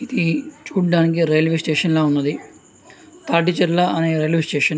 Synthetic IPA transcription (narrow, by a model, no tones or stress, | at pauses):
id̪it͡ʃuːɽɖaːnik̬iɾɐjɐlʋeːsʈeːʂɐnlaːunːɐd̪i | t̪aːʈːit͡ʃɐɾlaʔɐneːɾɐjlʋeːsʈeːʂɐn